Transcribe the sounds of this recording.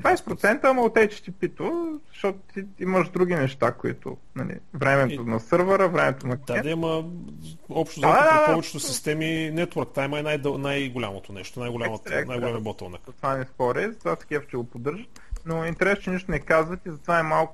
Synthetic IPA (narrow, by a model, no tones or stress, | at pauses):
d̪vajsɛ̥pɾʊt̪sɛnt̪əːmɐʊt̪ɛt͡ʃɛ̥t̪ipit̪ozɐʃt̪ɔt̪ʊ̥t̪iiməʒd̪ɾuɡʲinɛʃt̪akʊḭt̪ʊ̰nɐlḭvɾɛmɛt̪onɐsəɾvəɾəvɾɛmɛt̪onɐd̪ad̪ɛimə | ɔpʃt̪ozaapɔvɛt͡ʃɛ̥t̪osist̪ɛminɛt̪wəɾkt̪vajiməɛnajd̪najɡolʲamot̪onɛ̰ʃt̪onajɡolʲmət̪ɛnajɡolɛmibɔt̪ɛlˠnɐ̰kt̪vanɛspɔɾɛzɐt̪vasɡʲɛft͡ʃɛɡopod̪ɤɾʒət̪ | noint̪ɛɾɛsot͡ʃɛniʃt̪ʊnɛkazvət̪izɐt̪vaɛmalˠk